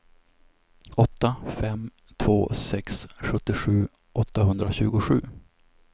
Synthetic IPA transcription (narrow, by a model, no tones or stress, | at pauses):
ɔt̪ːafɛm | t̪ʰvo̰ːsɛksɧɵt̪ːɪɧʉ̟ː | ʔɔt̪ːaɦɵnd̪ɾaɕʉ̟ːɡʊɧʉ̟̰ː